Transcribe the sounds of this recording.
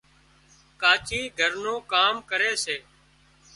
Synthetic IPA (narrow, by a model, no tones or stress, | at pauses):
kaːt͡ʃiːɡʱəɾnõːkaːmkəɾeːseː